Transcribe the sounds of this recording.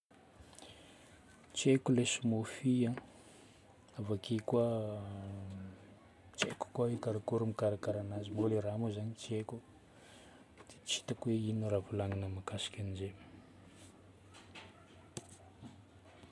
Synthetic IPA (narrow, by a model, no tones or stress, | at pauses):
t͡sekulesumofiã | avakikwa | t͡ʃḛku̥kwaekaɾakuɾumikaɾakaɾanazimoleɾamozaɲit͡seku | d̪̥e̥t͡si̥t̪əkweinuɾavulaŋinamakasi̥kʲanize